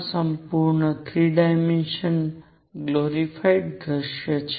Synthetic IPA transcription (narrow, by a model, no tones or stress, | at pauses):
səmpuɾɳət̪ʰɾiɖajmenʃən | ɡloɾifʰajɖd̪ɾəʃjət͡ʃʰ